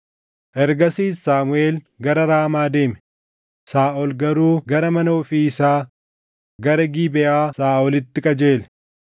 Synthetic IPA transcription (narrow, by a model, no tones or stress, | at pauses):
ʔɛɾɡɐsiːsaːmʊe̞ːl | ɡɐɾɐɾaːmaːd̪e̞ːmɛ̥ | saːʔɔlɡɐɾuːɡɐɾɐmɐnɐʊfiːɪsaː | ɡɐɾɐɡiːbɛʔaːsaːʔɔlɪt̪ːɪkʼɐd͡ʒe̞ːlɛ̥